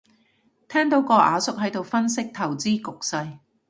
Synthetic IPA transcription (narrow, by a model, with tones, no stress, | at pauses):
t̪ʰɛː˥ŋt̪o˨˥wkɔː˧ʔaː˨˧sʊ˥k̚ɦɐ˨˥jt̪o˨wfɐ˥nsɪ˥k̚t̪ʰɐ˨˩wt͡siː˥kʊ˨k̚sɐ˧j